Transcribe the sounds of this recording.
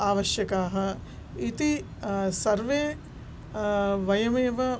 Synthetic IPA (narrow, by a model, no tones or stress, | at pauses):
aːʋɐʃjɐkaːɦɐ̆ | it̪i | sɐɾʋeː | ʋɐjɐmeːʋɐ